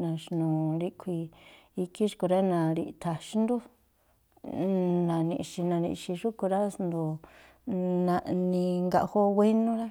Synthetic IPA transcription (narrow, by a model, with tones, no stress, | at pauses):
nã˨ʃnũ˨ɾi˧kʰʷi˧i˧ki˦ʂko˧ɾa˦nã˧˨ɾi˧t̪ʰa˨ʃi˦nd̪u˦ | nã˨nḭ̃˧ʃi˧nã˧nḭ̃˧ʃi˧ʐu˦ku˧ɾa˦snd̪o˨ | nã˧ʔnĩ˧ŋɡa̰˧ʔho˦wʷe˦nũ˦ɾa˦